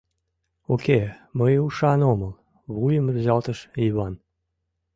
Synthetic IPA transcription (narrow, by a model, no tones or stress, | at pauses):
okeməjuʃɑnoməl | βujəmrzɑlt̪əʃiβɑn